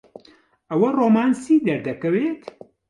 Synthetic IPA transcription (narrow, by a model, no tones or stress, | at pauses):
ɐwɐroːmaːnsid̪ɐɾd̪ɐkɐweːt̪